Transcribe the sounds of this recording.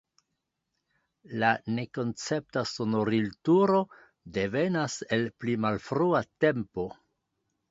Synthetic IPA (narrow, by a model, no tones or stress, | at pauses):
lane̞ko̞nt͡se̞p̚taso̞no̞ɾiltuɾo̞ | de̞ve̞nase̞lplimalfɾuate̞mpo̞